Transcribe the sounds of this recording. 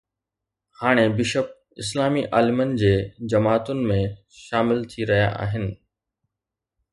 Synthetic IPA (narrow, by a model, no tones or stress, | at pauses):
haːɽ̃ebɪʃəp̚ | ɪ̰slaːmiʔaːlɪmənɪ̆d͡ʑeːd͡ʑɐmaːt̪ʊnɪ̆mẽ | ʃaːmɪlt̪ʰiɾɐɦija̰ʔa̰ːɦɪnɪ̆